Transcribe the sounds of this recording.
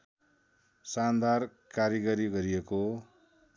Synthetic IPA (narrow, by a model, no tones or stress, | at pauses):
sand̪ar | kaɾjʌɡʌɾiɡʌɾijeko